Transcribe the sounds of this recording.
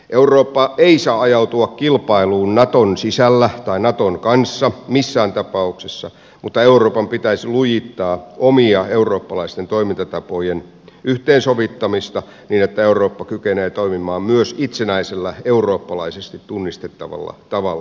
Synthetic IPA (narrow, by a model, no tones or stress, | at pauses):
ʔeuroːpːɑeisɑːɑjɑut̪uɑkkilpɑiluːnnɑt̪onsisælːæt̪ɑinɑt̪oŋkɑnsːɑmisːæːnt̪ɑpɑuksesːɑ | mut̪ːɑeuroːpɑmpit̪æisilujit̪ːɑːʔomiɑeuroːpːɑlɑist̪ent̪oimint̪ɑt̪ɑpojen | ʔyht̪eːnsoʋit̪ːɑmist̪ɑ | niːnet̪ːæeuroːpːɑkykeneːt̪oimimɑːmmyøsit̪senæiselːæeuroːpːɑlɑisest̪it̪t̪unːist̪et̪ːɑʋɑ̰lːɑ̰t̪ɑʋɑlː